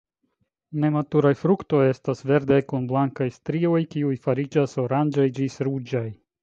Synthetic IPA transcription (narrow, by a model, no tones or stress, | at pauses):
ne̞matuɾajfɾukto̞je̞stasve̞ɾdajkunblaŋkajstɾio̞jkiujfaɾid͡ʒaso̞ɾand͡ʒajd͡ʒisɾud͡ʒaj